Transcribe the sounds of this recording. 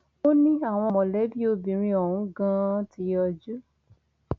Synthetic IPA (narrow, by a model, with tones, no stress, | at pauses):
o˦nĩ˦a˦˨w̃ɔ̃˧mɔ̃˨lɛ˨˦bi˦o˧bĩ˨ɾ̃ĩ˧ɔ˨ũ˨˦ɡã˦ti˨˧˦ɔ˧d͡ʒu˦